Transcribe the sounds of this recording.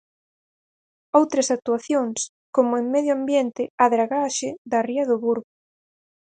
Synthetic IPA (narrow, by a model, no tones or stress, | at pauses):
owt̪ɾɐsak̚t̪uaθjoŋs | komʊeŋmɛðjoambjent̪ɪaðɾaɣaʃɪðɐriɐðʊβuɾɣʊ